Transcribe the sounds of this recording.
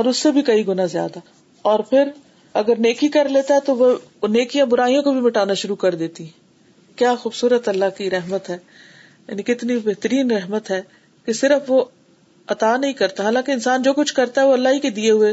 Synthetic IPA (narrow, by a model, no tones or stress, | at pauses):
ɔːɾʊsːebʱikɐiɡʊnazja̰ːd̪a | ɔːɾpʰɪɾ | ɐɡəɾneːkikɐɾleːt̪aɦɛt̪oʋo | neːkijãbʊɾaːijõkobʱimɐʈaːnaʃʊɾukɐɾd̪eːt̪iɦɛ̃ | kjaːxuːbsuːɾət̪ɐlːakiɾɛɦmət̪ɦɛː | ja̰ːnikɪt̪nibeɦt̪əɾiːnɾɛɦmət̪ɦɛː | kesɪɾəfʋo | ɐt̪aːnɐɦĩkɐɾt̪aɦaːlãːkeɪnsaːnd͡ʒoːkʊt͡ʃʰkɐɾt̪aɦɛʋoɐlːaɦiked̪ieɦʊe